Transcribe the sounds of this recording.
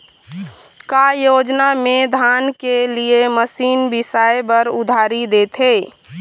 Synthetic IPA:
kajod͡ʒnamed̪ʱankelieməsiːnbisajebəɾʊd̪ʱaɾid̪et̪ɦeː

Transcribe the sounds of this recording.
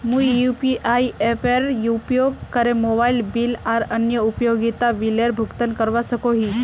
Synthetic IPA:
mujupiʔaiefeɾjupjoɡkəɾemobailbilaɾənjəupjoɡit̪aʋileɾbʱukt̪ənkəɾʋasəkoɦiː

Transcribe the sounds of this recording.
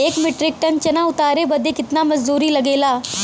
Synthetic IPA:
eːkmɪʈɾɪk̚ʈɐnt͡ʃɐnaʊt̪aːɾebɐd̪ʱekɪt̪namɐd͡ʒd̪uːɾilɐɡeːlaː

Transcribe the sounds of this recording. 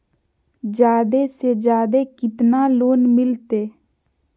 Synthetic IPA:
d͡ʒaːd̪esed͡ʒaːd̪ekɪt̪naːloːnmɪlt̪eː

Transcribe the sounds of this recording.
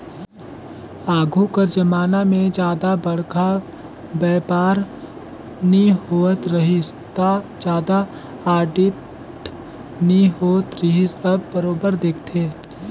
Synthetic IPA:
aːɡʱukəɾd͡ʒɐmaːnamẽd͡ʒjaːd̪abɐɽ̤ka | bɛːpaːɾ | niɦoːt̪ɾɐɦist̪ad͡ʒjaːd̪a | aːɖɪʈ | niɦoːt̪ɾəɦisɐbːəɾoːbəɾd̪eːkʰt̪ʰeː

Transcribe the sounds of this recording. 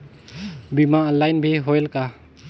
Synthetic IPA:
bimaːlajnbʱiɦojlka

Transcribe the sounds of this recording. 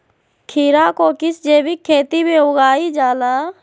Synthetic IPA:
kʰiːɾakokɪsd͡ʒeːbikʰːeːt̪ibeʊɡaːid͡ʒaːlaː

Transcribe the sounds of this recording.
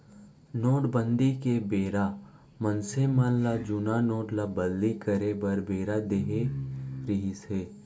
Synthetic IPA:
noːʈbə̃nd̪ikebeːɾa | mənsemənlad͡ʒʊnanoːʈlabəllikəɾebɐɾbeːɾad̪eːɦeɾɪɦiseː

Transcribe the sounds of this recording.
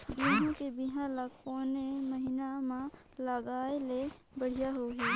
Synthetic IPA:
d̪ʊnɦõkebiɦãlakoːneməɦɪnamã | ləɡaːele | bəɽ̤ijaɦoɦɛː

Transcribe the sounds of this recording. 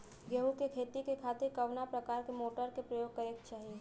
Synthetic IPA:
ɡeɦukekʰeːt̪ikekʰaːt̪ɪɾkɐʋnapɾɐkaːɾkemoːʈəɾkepɾəjoːɡ̚kəɾeɡt͡ʃaːɦie

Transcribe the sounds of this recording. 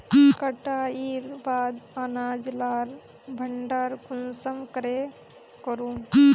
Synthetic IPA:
kəʈaiɾbaːd̪anaːd͡ʒlaːɾ | bʱəɳɖaɾkunsəmkɾe | kɔɾũ

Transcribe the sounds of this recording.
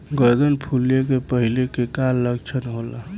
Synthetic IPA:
ɡəɾd̪ənpʰuljek̬epəɦilekekalːəɡt͡ʃʰənɦola̰

